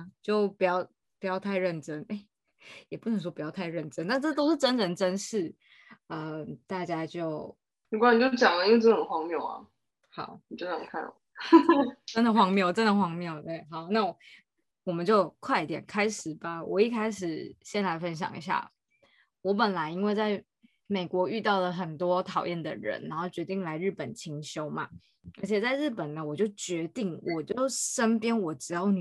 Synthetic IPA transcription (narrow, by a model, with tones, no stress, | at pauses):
t͡ɕjo˥˩ʊpu˧˥jɑ˥˧˩ʊ | pu˧˥jɑ˥˧ʊt̪ʰa˥˧ɪɻə˥˩nʈ͡ʂə˦ne˥˩ | jɛ˨˩pu˥˩nə˨˧˦ŋʂwɔ˥pu˧˩jɑ˥˧ʊt̪ʰa˥˧ɪɻə˥˩nʈ͡ʂə˥˦nt̪a˥˧n˥ʈ͡ʂɤ˥˩t̪o˥ʊɻ̩˥˩ʈ͡ʂə˥nʈ͡ʂə˧˥nʈ͡ʂə˥nʂɻ̩˥˩ | ə˧t̪a˥˩t͡ɕja˥t͡ɕjo˥˩ʊ˥˩ | kwni˨˩t͡ɕjo˥˩t͡ɕjɑ˨˩ŋlə˦i˥wə˥˩ʈ͡ʂɤ˥˩o˨˩ŋxwɑ˧˥ŋmjo˥˩ʊɐ̰˨˩ | xɑ˨˩˦ʊni˨˩t͡ɕə˥˦d̪ə˧˨˩kʰa̰˥˩n˨˩ | ʈ͡ʂə˦nd̪ə˨xwɑ˧˥ŋmjo˥˩ʊʈ͡ʂə˦˥nd̪ə˨xwɑ˧˥ŋmjo˥˧˩ʊt̪we˥˩ɪxɑ˨˩˦ʊna˥˩ | wɔ˨˩mə˨˦nt͡ɕjo˥˧ʊkʰwa˥˧ɪ˥˩jɛ˨˩nkʰa˥ɪʂɻ̩˨˩bɐ˦wʔɔ̰˨˩i˥˩kʰa˥ɪʂɻ̩˨˩ɕjɛ˥nla˧˥ɪfə˦nɕ̬jɑ̰˨˩ŋḭ˧˥ɕ̬ja̰˥˩ | wɔ˧˥p̬ə˨˩nla˧˥ɪi˥nwe˥˧ɪt͡sa˥˩ɪ | me˨˩ɪkwɔ˧˥y˥˧t̪ɑ˥˩ʊlə˩xə˨˩nt̪wɔ˦t̪ʰɑ˨˩ʊjɛ˥˩nd̪ə̰˨ɻə̰˧˦nna˧˥nxo˥˩ʊt͡ɕɥɛ˧˥t̪i˥˩ŋla˧˦ɪɻ̩˥˩pə˨˩nt͡ɕʰi˧˥ŋɕjo˥ʊmɐ˨ | ə˞˧˥t͡ɕʰjɛ˨˩t͡sa˥˧ɪɻɻ̩˥˩pə˨˩nə˦wɔ˨˩t͡ɕjo˥˩ʊt͡ɕɥɛ˧˥t̪i˥˩ŋwʔɔ˨˩t͡ɕjo˥˩ʊʂə˥npjɛ˥nwɔ˨˩ʈ͡ʂɻ̩˧˥t̪ɑ˥˩ʊn˩